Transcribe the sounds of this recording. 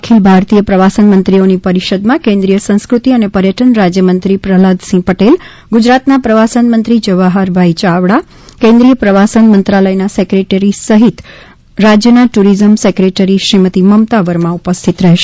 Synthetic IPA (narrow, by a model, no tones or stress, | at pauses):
akʰilbʱaɾt̪ijəpɾəʋasənmənt̪ɾionipəɾiʃəd̪mãkẽnd̪ɾijəsə̃ñskɾut̪iənepəɾjəʈənɾad͡ʒjəmənt̪ɾipɾəɦləd̪sĩpəʈel | ɡud͡ʒɾat̪napɾəʋasənmənt̪ɾid͡ʒəʋaɦaɾbʱait͡ʃaʋɽa | kẽnd̪ɾijəpɾəʋasənmənt̪ɾaləjnasekɾeʈeɾisəɦit̪ | ɾad͡ʒjənaʈuɾizəmsekɾeʈəɾiʃɾimət̪iməmt̪aʋəɾmãupəst̪ʰit̪ɾɛɦeʃe̥